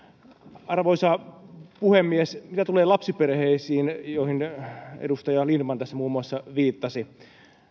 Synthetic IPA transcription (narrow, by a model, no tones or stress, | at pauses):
ɑrʋoisɑpuhemːiesmit̪æt̪uleːlɑpsiperheisiːnjoihinḛdust̪ɑjɑlinmɑnt̪æsːæmuːmːuɑsːɑʋiːt̪ːɑsi